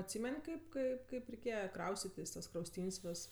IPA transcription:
ɐtʲˈsʲiːmʲɛnʲ ˈkɐɪp ˈkɐɪp ˈkɐɪp rʲɛɪˈkʲeːjɛ ˈkrɐʊsʲtʲɪtʲɪs tɐs krɐʊsʲˈtʲiːnʲsʲ ˈʋʲɛs

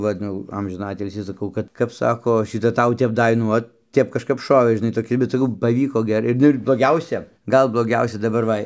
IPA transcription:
ˈʋɐt ˈnʊ jɛʊ ˈɐmʲʒʲɪnɑː ˈɑːtʲɪlʲsʲiː sɐˈkɐʊ ˈkɐt kɐp ˈsɑːkoː ʃʲɪˈtɐ ˈtɐʊ ˈtʲɛp ˈdɐ ɪ ˈnʊ oːt ˈtʲɛp kɐʃˈkɐp ˈʃoːʋʲeː ʒʲɪˈnɐɪ toːˈkʲɪ bʲɛt sɐˈkɐʊ pɐˈʋʲiːkoː ˈɡʲæːrɐɪ ˈnʊ ɪr blˠoːˈɡʲɛʊsʲɛ ˈɡɐlˠ blˠoːˈɡʲɛʊsʲɛ dɐˈbɐr ˈʋɐ

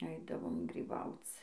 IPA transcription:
ˈɐɪdɐʋoːm ɡrʲiːˈbɐʊt͡s

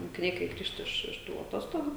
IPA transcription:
moːkʲɪˈnʲɛɪ kɐɪ ˈɡrʲiːʃt ɪʃ ɪʃ ˈtuː ɐˈtoːstoːɡʊ

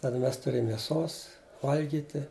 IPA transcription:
ˈtɑːdɐ ˈmʲɛs tʊˈrʲeːm mʲeːˈsoːs ˈʋɐlʲɡʲiːtʲɪ

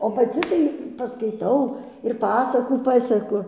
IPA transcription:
oː pɐˈt͡sʲɪ tɐɪ pɐskɐɪˈtɐʊ ɪr ˈpɑːsɐkuː ˈpɑːsʲɛkʊ

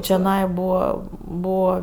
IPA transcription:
t͡ʃʲoːˈnɐɪ ˈbuːʋɐ ˈbuːʋɐ

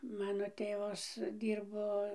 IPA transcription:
ˈmɑːnoː ˈtʲeːʋɐs ˈdʲiːrboː

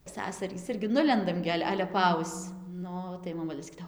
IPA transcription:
ˈsɑːsɐrʲiːs ˈɪrʲɡʲɪ ˈnʊlʲɛndɐm ɡʲɪ ˈɐlʲ ˈɑːlʲɛ pɐˈɐʊst͡s ˈnʊ tɐɪ moːˈmʊlʲeː sɐˈkʲiːdɐoː

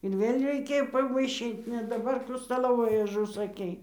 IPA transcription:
ɪr ˈʋʲeːlʲ rʲɛɪˈkʲeːjoː pɐʋɐɪˈʃʲiːt nʲɛ dɐˈbɐr ˈkuː stɐˈlˠoːʋoːjuː ʊʒʊsɐˈkʲɛɪ

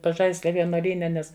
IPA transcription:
pɐˈʒɐɪsʲlʲɛ ʋʲiɛnuɔˈlʲiːnʲɛ ˈnʲɛs

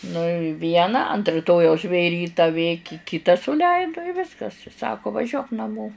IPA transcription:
nʊ ɪ ˈʋʲiɛnɑː ɐnt rʲɪˈtoːjɛʊs ʋʲeː ˈrʲiːtɐ ʋʲeː kʲɪ ˈkʲɪtɐ sʊˈlʲɛɪdʊ ɪ ˈʋʲɪskɐs ˈsɑːkoː ʋɐˈʒʲuɔk nɐˈmoː

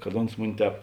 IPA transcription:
kɐt ˈoːns ˈmʊnʲɪ ˈtʲɛːp

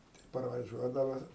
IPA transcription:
tɐɪ pɐrʋɐˈʒʲuɔdɐʋɐ

